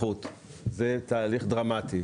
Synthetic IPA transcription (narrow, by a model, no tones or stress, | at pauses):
ut̪ | zet̪aːliχd̪ʁamat̪i